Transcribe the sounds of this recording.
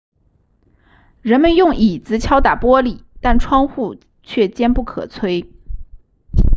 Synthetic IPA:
ɻə˧˥nmə˧njʊ˥˩ŋi˨˩t͡sɹ̩˧˥t͡ɕʰjɑ˥ʊt̪a˨˩pwɔ˥li˨˩t̪a˥˩nʈ͡ʂʰwɑ˥ŋxu˥˧ | t͡ɕʰɥɛ˥˩t͡ɕjɛ˥npu˥˩kʰɤ̰˨˩t͡sʰwe˥ɪ

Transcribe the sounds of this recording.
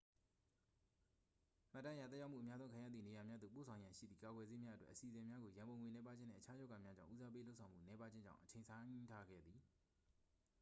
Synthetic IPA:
m̥a̰˦˨tːã˦ə˦ja˨t̪θɛ˦ja˦ʊmṵ˦˨əmja˦zõ˦kʰã˨ja˦˨d̪ði˨ne˨ja˨mja˦d̪ðo̰˦˨p̬o̰˦˨sʰã˨ʊ̃jã˨ʃḭ˦˨d̪ði˨ka˨ɡwɛ˨ze˦mja˦ʔətwɛ̰˦ʔəsi˨zɪ̃˨mja˦ɡo˨jã˨mbõ˨ŋwe˨nɛ˦pa˦d͡ʑɪ̃˦n̥ɛ̰˦˨ʔə˨t͡ɕʰa˦jɔ˦ɡa˨mja˦d͡ʑã̰˦˨ʔu˦za˦pe˦lo˦sʰã˨ʊ̃m̥ṵ˦˨nɛ˨˦pa˦d͡ʑɪ̃˦ɲd͡ʑã̰˦˨ʊ̃ʔət͡ɕʰẽ˨sʰã˦tʰa˦ɡɛ̰˦˨d̪ði˨

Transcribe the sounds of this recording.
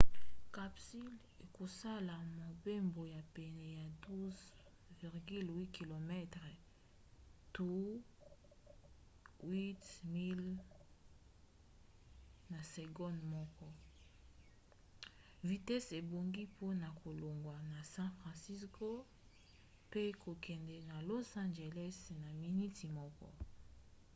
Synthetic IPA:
ka˨psi˦l | e˨ko˨sa˦la˨mo˨be˦mbo˨ja˨pɛ˨nɛ˨ja˨du˦z | vi˨ʁɡi˦lwi˦ki˨lo˨mɛ˦tʁɛ˨ | tu˦ | wi˦tmi˦l | na˨sɛ˨ɡɔ˦nmɔ˦kɔ˦ | vi˨tɛ˦se˨bo˨ŋɡi˦po˦na˨kʰo˨lo˨ŋɡwa˨na˨sɛ̃˦fʁɑ̃˨si˦skʰo˦ | pe˦kʰo˨kʰɛ˨ndɛ˨na˨lo˦sã˦nd͡ʒe˨lɛ˦sna˨mi˨ni˦ti˨mɔ˦kɔ̰˦

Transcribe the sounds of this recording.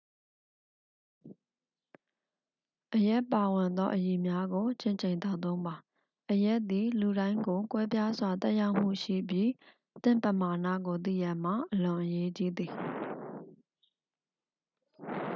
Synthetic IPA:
ʔəja˦˨pa˨wɪ̃˨nd̪ɔ˦ʔəji˨mja˦ɡo˨t͡ɕɪ̃˦˨ɲt͡ɕʰẽ˨ɪ̃nt̪a˦˨t̪õ˦ʊ̃mba˨ | ʔəjɛ˦ʔt̪i˨lu˨ɾã˦ɪ̃ŋɡo˨kwɛ˦pja˦zwa˨t̪ɛ˦ʔja˦ʊʔm̥ṵ˦˨ʃḭ˦˨bji˦ | t̪ɪ̰̃˦˨mpə˨ma˨nä̰˦˨ɡo˨t̪̬ḭ˦˨ja˨m̥a̰˦˨ʔəlʊ̃˨ʔəje˦t͡ɕi˦d̪i˨

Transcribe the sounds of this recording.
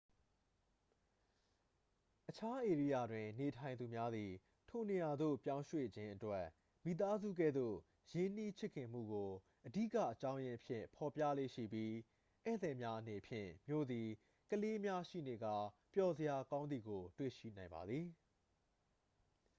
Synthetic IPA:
ʔət͡ɕʰa˦ʔe˨ɹi˦˨ja˦˨dwɪ̃˨ne˨tʰã˨ɪ̃nd̪u˨mja˦d̪i˨ | tʰo˨ne˨ja˨d̪o̰˦˨pjã˦ʊ̃ʃwḛ˦˨d͡ʑɪ̃˦ʔətwɛ˦ | mḭ˨t̪a˦zṵ˦˨ɡɛ̰˦˨d̪o̰˦˨ | jɪ̃˦n̥i˦t͡ɕʰɪ˦ʔkʰːɪ̃˨m̥ṵ˦˨ɡo˨ | ʔədḭ˦˨kä̰˦˨ʔət͡ɕã˦ʊ̃jɪ̃˦pʰjɪ̰̃˦˨pʰɔ˨pja̰˦˨lḛ˦˨ʃḭ˦˨pji˦ | ʔɛ̰˦˨d̪ɛ˨mja˦ʔəne˨pʰjɪ̰̃˦˨mjo̰˦˨d̪i˨ | kəle˦mja˦ʃḭ˦˨ne˨ɡa˦˨pjɔ˨zə˨ja˨kã˦ʊ̃nd̪i˨ɡo˨twḛ˦˨ʃḭ˦˨nã˨ɪ̃mba̰˨d̪ði˨

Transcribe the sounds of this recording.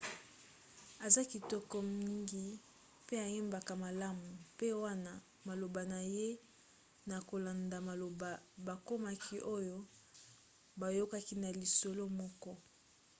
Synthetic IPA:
a˨za˦ki˨tɔ˦kɔ˦m˦i˦ŋɡi˦ | pe˦a˨je˦mba˨ka˨ma˨la˦mu˨pe˦wa˦na˦ | ma˨lo˨ba˨na˨je˦ | na˨ko˨la˨nda˨ma˨lo˨ba˨ba˨ko˦ma˦ki˦ʔo˦jo˦ | ba˨jo˦ka˦ki˦na˨li˨so˨lo˦mɔ˦kɔ˦

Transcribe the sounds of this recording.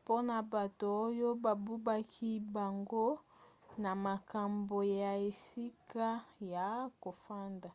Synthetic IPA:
po˦na˨ba˨to˨o˦jo˦ba˨bu˦ba˦kʰi˦ba˨ŋɡo˦na˨ma˨ka˨mbo˨ja˨e˨si˦ka˦ja˨ko˨fa˦nda˨

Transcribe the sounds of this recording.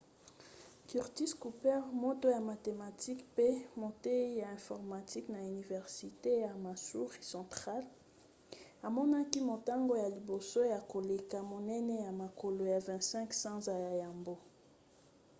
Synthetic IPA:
ky˨ʁti˦sku˨pɛ˦ʁmo˦to˦ja˨ma˨te˨ma˨tʰi˦kpe˦mo˨te˦ja˨ɛ̃˨fɔ˨ʁma˨ti˦kna˨y˨ni˨vɛ˨ʁsi˨te˦ja˨ma˨su˦ʁi˨sɑ̃˨tʁa˦l | a˨mɔ˦na˦ki˦mo˨ta˦ŋɡo˦ja˨li˨bo˨so˦ja˨ko˨le˨ka˨mo˨nɛ˦nɛ˦ja˨ma˨ko˨lo˨ja˨vɛ̃˨tsɛ̃˦ksã˦za˨ja˨ja˨mbo˦

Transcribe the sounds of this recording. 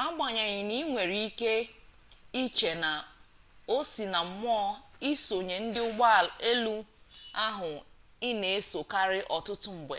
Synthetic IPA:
a˦ɡ͡ba˨ɲa˨ɲɪ˨ni˦ŋʷe˨ɾi˦i˦ke˦ | i˦t͡ʃe˨na˨ | o˦si˨na˨m̩˨m˦ɔ˦i˦so˨ɲe˨n̩˦dɪ˦ʊ˦ɡ͡ba˦˨e˦lu˦a˦ɦʊ˨ | ɪ˦ne˨e˦so˨ka˦ɾɪ˦ʔɔ˨tʊ˦tʊ˦m̩˨ɡ͡bḛ˨

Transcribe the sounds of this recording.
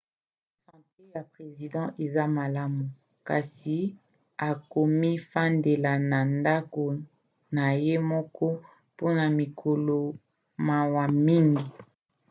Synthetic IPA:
sɑ̃˨te˦ja˨pχe˨zi˨dɑ̃˦ʔe˨za˦ma˨la˦mu˨ | ka̰˨si˨ | a˨ko˨mi˦fa˦nde˨la˨na˨nda˦ko˨ | na˨je˦mɔ˦kʰɔ˦ | po˦na˨mi˨kʰo˨lo˨ | ma˨wa˨mi˦ŋɡi˨

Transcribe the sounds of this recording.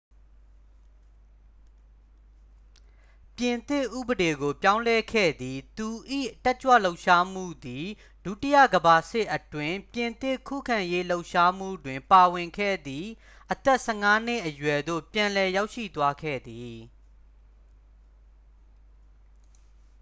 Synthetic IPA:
pjɪ̃˨nt̪ɪ˦˨ʔṵ˦˨bəde˨ɡo˨pjã˦ʊ̃lɛ˦kʰɛ̰˦˨d̪ði˨t̪u˨ʔḭ˦˨tɛ˦ʔt͡ɕwä̰˦˨lo˦ʊʔʃa˦m̥ṵ˦˨d̪i˨ | d̥ṵ˦˨tɪ˦jä̰˦˨ɡəba˨sɪ˦ʔətwɪ̃˦˨mpjɪ̃˨nt̪ɪ˦˨kʰṵ˦˨kʰã˨je˦lo˦ʊʔʃa˦m̥ṵ˦˨dwɪ̃˨mpa˨wɪ̃˨ŋkʰɛ̰˦˨d̪ði˨ | ʔət̪ɛ˦ʔsɛ˨ŋa˦n̥ɪ˦ʔəjwɛ˨d̪o̰˦˨pjã˨lɛ˨ja˦ʊʔʃḭ˦˨t̪wa˦kʰɛ̰˦˨d̪i˨

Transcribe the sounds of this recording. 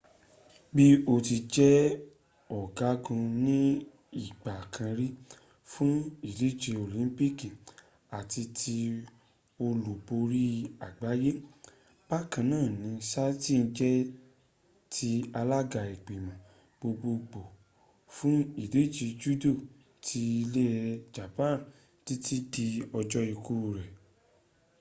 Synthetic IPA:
bi˦o˧ti˧d͡ʒɛ˦ | ɔ˨ɡa˨˦ɡũ˧nĩ˦ | i˦˨ɡ͡ba˨kʰã˧ɾi˦ | fũ˦i˨de˨˦d͡ʒe˧o˨lĩ˨˦pi˦kĩ˨ | a˨ti˧tʰi˧ | o˧lu˨bo˧ɾi˦a˨ɡ͡ba˨˦je˦ | b̥a˦kã˧˨nãː˦˨nĩ˨˦sa˦ti˦n̩˧d͡ʒɛ˦ | tʰi˧a˧la˦ɡa˨i˨k͡pe˨mã˨ | b̥o˧ɡ͡bo˧k͡po˨ | fũ˦i˨de˨˦d͡ʒi˧d͡ʒu˦do˦˨ | tʰi˧i˧le˦ɛ˧d͡ʒa˨pã˦˨ | ti˦ti˦di˧ɔ˧d͡ʒɔ˦i˧ku˦˨ɾɛ˨

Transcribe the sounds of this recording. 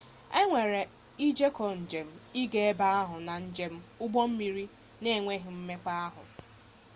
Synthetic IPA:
e˦ŋʷe˨ɾe˨ | i˦d͡ʒe˦kɔ˨n̩˨d͡ʒe˨m̩˦i˦ɡe˦e˦ba˦a˦ɦʊ˨na˨n̩˦d͡ʒe˦m̩˦ʊ˦ɡ͡bɔ˦m̩˦mi˨ɾi˦ | ne˦˨ŋʷe˦ɦɪ˨m̩˦me˦k͡pa˦a˦ɦʊ̰˨

